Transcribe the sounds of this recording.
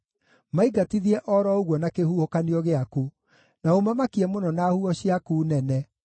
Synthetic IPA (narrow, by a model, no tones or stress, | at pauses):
maiɡatiðiɛʔɔɾɔoɣwɔnakehuhokaniɔɣeaku | naomamakiɛmonɔnahuɔɕiakuːnɛnɛ